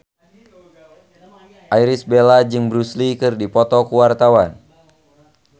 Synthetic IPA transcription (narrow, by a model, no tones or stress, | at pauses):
ʔajɾisbelad͡ʒɨŋbɾuslikɨrdipɔt̪ɔkuwart̪awan